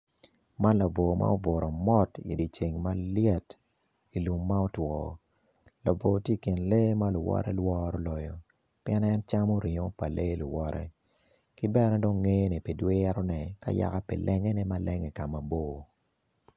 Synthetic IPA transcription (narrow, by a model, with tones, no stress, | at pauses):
ma˦nla˨vo˨mʔa̰˦o˦vʊ˨ɾɔ˨mɔ˦tḭ˨di˨t͡ʃe˨ŋma˦lɪ˦ɛ˦t | i˨lu˨mːa˦o˦twɔ˨ | la˨vo˨tje˦˨ki˨nle˦ma˦lʊ˨wɔ̰˦ɾɛ̰˦lwɔ˦ɾɔ˦lɔ˨jɔ˨ | pijɛ˦nɛ˦nt͡ʃa˦mɔ˦ɾɪ˨ŋo˦pa˨lʔe˦lʊ˨wɔ˦ɾʔɛ̰˦ | kɪ˦bɛ˦nɛ˦do˦ŋːe˦ni˨pi˨dwe˦ɛ˦ɾɔ˦nɛ˨ka̰˦ja̰˨ka˦pḭ˨lʔɛ˦ŋɛ˦nɛ˦ma˦lʔɛ˦ŋɛ˨ka˨ma˨bo˦˨